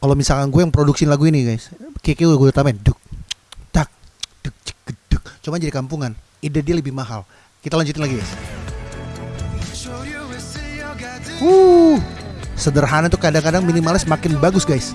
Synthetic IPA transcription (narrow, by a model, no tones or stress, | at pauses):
kalomisalkanɡuajaŋpɾoduksinlaɡuiniɡajskekeɡdt̪amandək̚d̥ak̚d̥ək̚d͡ʒə̥k̚ɡ̥əd̥ək̚t͡ʃumad͡ʒadikampuŋan | idadialəbɪhmaɦal | kit̪alaɲd͡ʒut̪ɪnlaɡiɡajs | uhsədərɦanat̪ukadaŋkadaŋminimalɪsəmakɪnbaɡʊsɡajs